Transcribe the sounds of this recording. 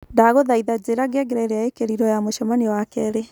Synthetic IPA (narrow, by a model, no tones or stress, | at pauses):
ndaɣoðaiðad͡ʑeɾaɡɛɡeɾɛɾeaekeɾiɾɔjamoʃɔmanewakɛɾe